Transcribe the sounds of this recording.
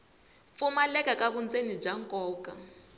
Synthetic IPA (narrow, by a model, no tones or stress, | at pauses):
fumalɛkʼakʼaβund͡zenib͡ʐaŋkʼɔːkʼa